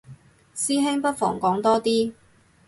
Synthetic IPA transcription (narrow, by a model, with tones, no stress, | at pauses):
siː˥ɦe˥ŋpɐ˥t̚fɔ̰ː˨˩ŋkɔː˨˥ŋt̪ɔː˥t̪iː˥